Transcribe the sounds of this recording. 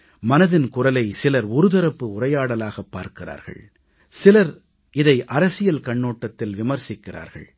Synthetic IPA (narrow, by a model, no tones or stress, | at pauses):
mɐnɐðɪnkʊrɐlɐɪsɪlɐɾɔɾɯðɐɾɐpːɯʊrɐjaːɽɐlaːɣɐpːaːɾkɪra̰ːɾɣɐ̰ɭ | sɪlɐɾ | ɪðɐɪʔɐɾɐsɪjɐlkɐɳːoːʈːɐt̪ːɪlʋɪmɐɾsɪkːɪra̰ːɾɣɐ̰ɭ